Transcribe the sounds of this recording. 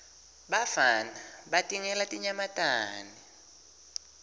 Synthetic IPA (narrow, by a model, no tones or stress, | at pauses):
ɓafanaɓatʼiŋɛlatʼiɲamatʼaːni